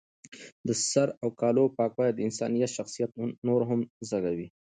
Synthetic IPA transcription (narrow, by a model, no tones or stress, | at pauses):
d̪əsaɾawkɑlopɑkwɑjad̪əɪnsɑnijat̪ʃaxsijat̪noɾɦamzaɡawi